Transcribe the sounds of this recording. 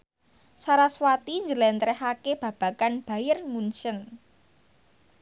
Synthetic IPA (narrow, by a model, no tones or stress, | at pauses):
saɾaswat̪iɲd͡ʒəlɛnt̪ɾɛhakeb̥ä̤b̥ä̤kanb̥a̤jɪrmunt͡ʃən